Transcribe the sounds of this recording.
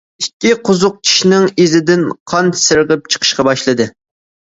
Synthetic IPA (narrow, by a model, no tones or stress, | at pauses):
ikʲːiqʰʊzʊq̚t͡ʃʰi̥ʃnɪŋezɪd̪ɪnqʰɑnsɨɾʁəp̚t͡ʃʰə̥qʰə̥ʃqɑbɑʃlˠɨd̪ɨ